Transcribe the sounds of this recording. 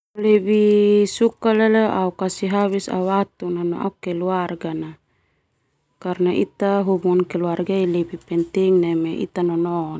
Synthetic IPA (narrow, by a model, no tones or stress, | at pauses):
lɛbisukalɛlɛʔaukasiɦabisa̰wat̪unanɔ̰a̰ukɛluarɡana | karnait̪aɦubuŋankɛluarɡailɛbipɛnt̪iŋnɛmɛʔḭt̪anɔnɔn